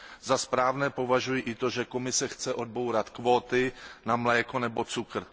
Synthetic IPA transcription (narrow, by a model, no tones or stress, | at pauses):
zaspɾaːvnɛːpo̞vaʒujiʔɪt̪o̞ʒɛko̞mɪsɛxt͡sɛʔo̞d̪̚bowɾat̪kvo̞ːt̪ɪnamlɛːkonɛbo̞t͡sukr̩